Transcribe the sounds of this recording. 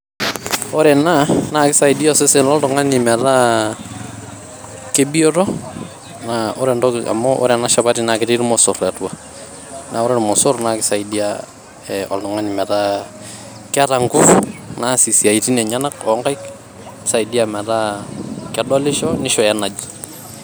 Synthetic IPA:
ɔ˦ɾɛ˨na˦na˨kɪ˦sa˨idiɔsɪsɛ˦lɔ˦ltɔ˨ŋa˦nɪmɛ˨ta | kebiɔtɔ˦ | naɔɾɛndɔa̰˨mɔʔɔ̰ɾɛ˨na˦ʃa˨batina˨kɪɾiɾmɔsʊɾɛtwa | nʔa˨ɔ˦ɾɛ˦ɾmɔ˨sʊ˦ɾnakɪsa˨idia | ɛɔ̰ltɔ˨ŋa˦nimɛ˨ta | ka˦ɾa˨ŋɡʊna˦si˨si˨a˨iti˦na˨ɲa˦na˦kɔŋɡa˦jk | sa˨idi˦amɛ˨ɾakɛdɔ˦lɪ˦ʃɔnɪʃɔjɛna˨d͡ʒ

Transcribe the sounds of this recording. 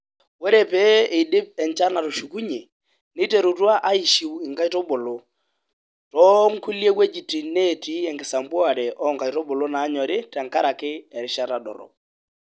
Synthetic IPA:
wo˦ɾe˨pɛː˦e˨dɪ˦p̚ɛ˨ɲt͡ʃa˦na˨ɾʊ˨ʃu˨ku˦ɲe˨ | nɪ˦te˨ɾu˨twa˦ʔa˦i˨ʃi˨wɪ˨ŋka˦jtɔ˦bʊ˨lʊ˨ | tɔ˦ŋ̩˦ku˦lje˦kwe˦d͡ʒi˨ti˨ne˦˨ti˦ɛ˨ŋɡɪ˨sa˨mbʊ˦a˨ɾɛ˨ʔɔ˦ŋka˨jtɔ˦bʊ˨lʊ˦naː˨˦ɲɔ˨ɾɪ˦tɛ˨ŋka˦ɾa˨kɪ˦ɛ˨ɾɪ˦ʃa˦ta˨ɗɔ̰˨ɾɔ̰˨

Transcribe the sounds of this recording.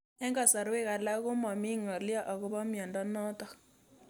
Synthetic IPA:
ɛ˦ŋɡa˨sa˨ɾwe˦ɣa˨la˦ɣʊ˦ma˨mi˦ŋɔ˨lja˦ʔa˨ɣu˦βa˦mja˨ndɔ˦nɔ˦tɔ˨

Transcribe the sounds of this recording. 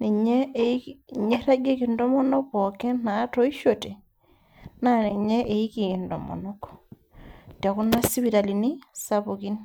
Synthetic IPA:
ne˨ɲe˦˨ɲe˦ɾa˦ɡe˦ki˨ndɔ˦mɔ˦nɔ˦kɔ˨ke˦na˨˦to˦i˦ʃo˨te˨ | na˦ne˨ɲe˦ʔe˨i˦ki˨ki˨ndo̰˨mɔ̰˨no˦k | ta˨ku˦na˦si˦βi˨ɾa˨li˨ni˦sa˦bo˨ki˦n

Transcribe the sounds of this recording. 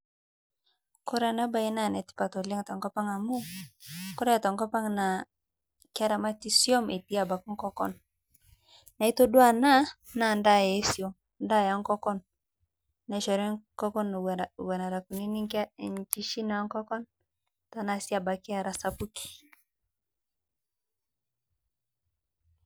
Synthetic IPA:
kɔ˦ɾa˨na˦ba˨i˦na˦˨nɛ˨ti̥˦pa˨tɔ˨li˦ŋ˨ta˨ŋkɔ˦pa˦ŋa˨mu˦kɔ˦ɾɛ˦a˨ta˨ŋkɔ˦pa˦ŋna˨ | ka˦ɾa˨ma˦ti˦sjɔ˦me˨ti˦a˨ba˨ku˦ŋ˦kɔ˦kɔ̰˦n | na˨i˦tɔ˦dwa˦˨na˦ | na˦˨nda˦˨je˨˦sjɔ˨m | nda˦˨ja˨˦ŋkɔ˦kɔ˦n | na˨ʃɔ˨ɾɔ˦kɔ˦kɔ˦n˨wɛ˨na˨ɾa˨ku˨ni˦ni˦knt͡ʃi˦ʃi˦na˨˦ŋkɔ˦kɔ˦n | ta˨na˦si˦a˨ba˨kɪ˦a˦˨ɾa˨sa˨pu˦ki̥˨

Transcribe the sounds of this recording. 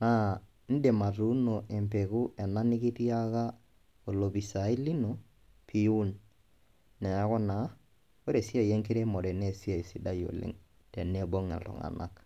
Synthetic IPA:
na˦ | n̩˦de˨ma˨tu˦no˨ʔe˨mpe˨ku˦ʔɛ˨na˦nɪ˦ki˦ti˦a˦ka˦ | o˨lo˨bi˨sa˨i˦li˦no˨ | pʰi˦u˦n | nɛ˨a˦kɔ˦na˨˦ | o˦ɾe˨si˦a˨je˦ŋke˦ɾe˦mɔ˨ɾɛ˨ne˦˨si˦a˨i˨si˦da˦jo̰˨lḛ˦ŋ | tɛ˨ne˦bo˦ŋɛ̰˨ltʊ̰˨ŋa̰˨na̰˦k

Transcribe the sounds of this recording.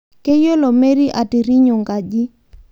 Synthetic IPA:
ke˦jo˦lo˨me˦ɾi˦ʔa˨ti˨ɾi˦ɲʊ˨ŋɡa˨d͡ʒi˦

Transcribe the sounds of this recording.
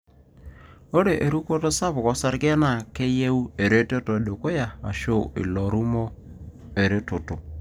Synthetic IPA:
o˦ɾe˨ʔe˨ɾu˦ko˦to˦sa˦pkɔ˦sa˦ɾke˦na˦˨ke˦je˦u˦e˨ɾe˦te˦to˨ɗe˨ko˦ja˨a˨ʃo˦ɪ̰˨lɔ˨ɾu˦mo˦ | e˨ɾe˦to˨to˨

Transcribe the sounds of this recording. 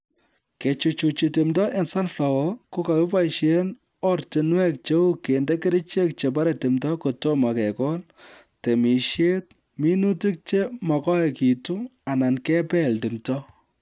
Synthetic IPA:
ke˨t͡ʃu˨t͡ʃu˨t͡ʃi˨tɪ˨mtɔ˦ʔe˨nsa˦nfla˨wɔ˦ko˦ka˨ke˦pa˦i˨ʃe˦n | ɔ˦rtɪ˨nwɛ˦k̚t͡ʃe˦u˦ke˨nde˦ke˦ɾi˦t͡ʃe˦k̚t͡ʃe˨p̬a˦ɾe˨te˨mtɔ˦ko˨to˦ma˨kɛ˨kɔ˦l | te˨mi˨ʃje˦t̚ | mi˦nu˦ti˦k̚t͡ʃe˦mɔ˨kɔ˦ɛ˨ki˨tu˦a˨na˨nkɛ˦pɛ˦˨ldi˨mtɔ˦

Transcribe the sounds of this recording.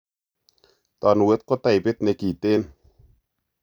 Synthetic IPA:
t̪a˨nu˨we˦t̪̚kɔ˦t̪a˨jbe˦t̪ne˧ki˨t̪e˦n

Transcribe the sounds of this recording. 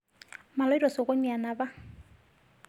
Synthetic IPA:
ma˨lɔ˦i˦rɔ˨sʊ˨ɣʊ˦ɲa˨na˨ba˦

